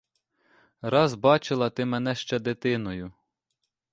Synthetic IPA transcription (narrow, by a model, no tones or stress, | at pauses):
ɾɑzbɑt͡ʃɪlˠɐt̪ɪmɛnɛʃt͡ʃɛd̪ɪt̪ɪnɔjʊ